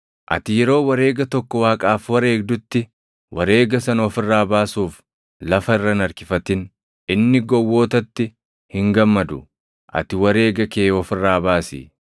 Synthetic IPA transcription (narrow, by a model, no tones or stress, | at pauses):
ʔɐ̰t̪ɪjɛɾo̞ːwɐɾe̞ːɡɐt̪ɔkːɔwaːkʼaːfwɐɾe̞ːɡ̚d̪ʊt̪ːɪ | wɐɾe̞ːɡɐsɐnɔfɪrːaːbaːsuːf | lɐfɐɪrːɐnɐɾkɪfɐt̪ɪn | ɪnːɪɡɔwːo̞ːt̪ɐt̪ːɪ | hɪŋɡɐmːɐd̪ʊ | ʔɐ̰t̪ɪwɐɾe̞ːɡɐkeːɔfɪrːaːbaːsɪ̰